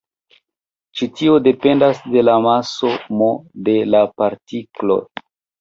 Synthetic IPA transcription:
t͡ʃitiode̞pe̞ndasde̞lamasomode̞lapaɾtiklo̰

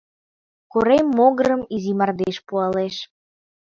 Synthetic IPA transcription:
koɾemːoɣəɾəmizimɑrd̪eʃpuɑleʃ

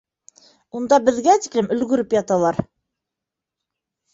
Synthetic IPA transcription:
und̪ɑbɘ̆ðɡæt̪iklɘmɵ̆lɡɵ̆ɾɘpjɑt̪ɑlˠɑɾ

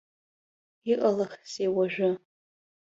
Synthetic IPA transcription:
iqʼalaχsewaʒʷᶣʊ

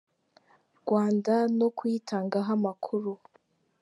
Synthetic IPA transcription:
ɾɡwaːndanokwiːtʰaːŋɡaɦamakʰuɾu

